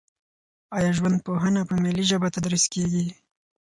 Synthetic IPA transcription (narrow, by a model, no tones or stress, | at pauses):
ɑjɑʒwand̪̚poɦənapəmeliʒəbat̪ad̪ɾiskeɡi